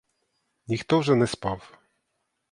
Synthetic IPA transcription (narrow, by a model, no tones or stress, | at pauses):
nʲixt̪ɔʐɛnɛspaf